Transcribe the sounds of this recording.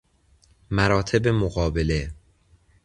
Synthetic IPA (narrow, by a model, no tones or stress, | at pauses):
mæɾɒːt̪ʰe̞bemoɣɒːbe̞le̞